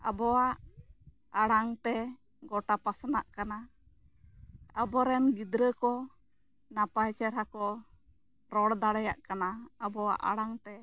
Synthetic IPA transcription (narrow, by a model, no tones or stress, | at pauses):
a̰bɔwaʔ | aɽaŋt̪ɛ | ɡɔʈapasnaʔkana | abɔɾɛnɡid̪ɾəkɔ | napajt͡ʃɛɾɦakɔ | ɾɔɽd̪aɽɛjaʔkanaabɔwa̰ʔa̰ɽaŋt̪ɛ